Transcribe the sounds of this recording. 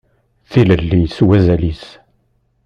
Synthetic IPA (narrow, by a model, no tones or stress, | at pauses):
θiləlːiswæzælis